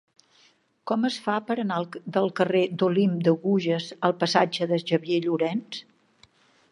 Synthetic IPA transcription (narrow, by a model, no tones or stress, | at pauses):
kɔməsfapəɾənald̪əlˠkəred̪olimd̪əɣuʒəzəlˠpəsad͡ʒəðəʒəβieʎuɾɛns